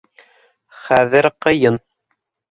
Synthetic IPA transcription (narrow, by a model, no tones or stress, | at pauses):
χæðɘɾqɤ̆jɤn